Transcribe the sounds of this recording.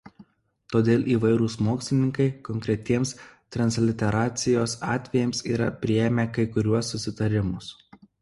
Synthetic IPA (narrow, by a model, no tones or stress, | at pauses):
t̪oːd̪ʲeːlˠʔiːʋɐɪɾʊsmoːksʲlʲɪnʲɪŋkɐɪkɔŋʲkʲɾʲɛt̪ʲiɛmst̪ɾɐnslʲɪt̪ʲɛɾɑːt̪sʲɪjoːsɑːt̪ʲʋʲɛjɛmsiːɾɐpʲɾʲɪɛːmʲeːkɐɪkʊɾʲuɔsːʊsʲɪt̪ɐɾʲɪmʊs